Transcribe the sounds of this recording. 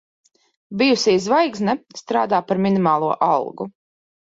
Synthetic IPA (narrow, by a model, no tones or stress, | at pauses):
bijusizvajɡznast̪ɾaːd̪aːpaɾminimaːlˠuɔʔalˠɡṵ